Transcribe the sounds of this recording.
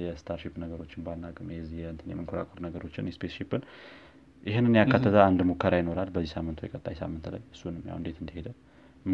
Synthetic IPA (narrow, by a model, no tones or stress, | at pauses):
jɛst̪ʰaɾʃipːnəɡəɾo̞t͡ʃːɪnbanːakʼɨmjɛzijɛnt̪ʰɨnjɛmɨŋkʰoɾa̰kʼʰoɾnəɡəɾo̞t͡ʃːɪnjɛspʰesʃipːɨn | jʔɪɦɪnːɨnjakːat̪ːət̪ʰəand̪mukʰːəɾajɪno̞ɾalbəzːisamːɨnt̪ʰujɛ̰kʼət̪ʼːajsa̰mːɨnt̪la̰jɨsːunɨmja̰wɨnd̪e̞t̪ɨnd̪əhe̞d̪ə